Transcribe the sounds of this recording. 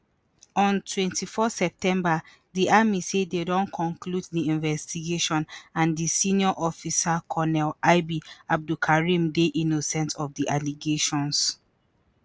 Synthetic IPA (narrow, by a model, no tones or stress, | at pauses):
ɔ̃ntʰwɛ̃ntifɔsɛp̚tɛ̃mba | diʔamisededɔ̃nkʰɔ̃ŋkʰluddiĩnvɛstiɡeʃɔ̃nãndisĩniɔʔɔfisakʰɔnɛlaɪbiab̚dukʰaɹĩmdeʔinosɛ̃ntɔfdiʔaliɡeʃɔ̃ns